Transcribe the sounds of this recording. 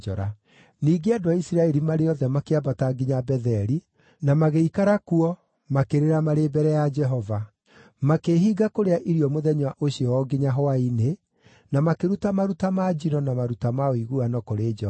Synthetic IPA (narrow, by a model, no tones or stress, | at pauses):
d͡ʒɔ̰ɾa | niːɡeadoaisiɾaɛɾimaɾeɔðɛmakeabataɡiɲabɛðɛɾi | namaɣeikaɾakuɔ | makeɾeɾamaɾebɛɾɛjad͡ʒɛɦɔva | makeɦiːɡakoɾeaʔiɾiɔmoðɛɲwaʔoɕiɔwɔɡiɲaɦoaine | namakeɾutamaɾutamad͡ʒinɔnamaɾutamaoiɣuanɔkoɾeːd͡ʒɛ